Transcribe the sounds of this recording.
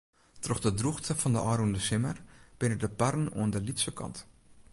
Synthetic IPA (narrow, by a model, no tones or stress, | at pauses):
trɔχdədruχtəfɑndə̰ʔɑːɾundəsɪmərb̥ɪnədəparnṵəndəlitsəkɑ̰nt